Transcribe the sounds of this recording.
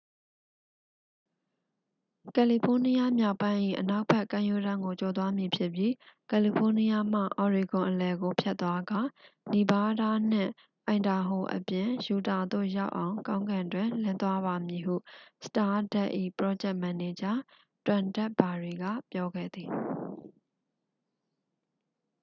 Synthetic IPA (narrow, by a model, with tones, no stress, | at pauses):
kɛ˨li˨pʰo˦ni˦ja˦mja˦ʊpːã˦ɪ̃ʔḭ˦˨ʔəna˦ʊʔpʰɛ˦ʔkːã˦ʔju˦ɾã˦ŋɡo˨t͡ɕo˨t̪wa˦mji˨pʰjɪ˦ʔpji˦kɛ˨li˨pʰo˦ni˦ja˦m̥a̰˦˨ʔɔ˨ɹi˨ɡʊ̃˨ʔəlɛ˨ɡo˨pʰjɛ˦t̪ːwa˦ɡa˨ni˨ba˦da˦˨n̥ɪ̰̃˦˨ | ʔã˨ɪ̃nda˨ɦo˨ʔə̰pjɪ̃˨ju˨ta˨d̪o̰˦˨ja˦ʊʔã˨ʊ̃kã˦ʊ̃ŋɡã˨ndwɪ̃˨lɪ̃˦nt̪wa˦βa˨mji˨ɦṵ˦˨sə̥ta˦dɛ̰˦ʔḭ˦˨pɹɔ˦d͡ʑɛ˦ʔmã˨ne˨d͡ʑã˦ | twã˨ndɛ˦ʔb̥a˨ɹi˨ɡa̰˦˨pjɔ˦ɡɛ̰˦˨d̪i˨